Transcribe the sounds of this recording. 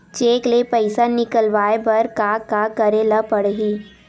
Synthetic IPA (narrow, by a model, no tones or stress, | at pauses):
t͡ʃeːklepəɪsanɪkəlʋaːebɐɾkaːkakəɾelapəɽɦiː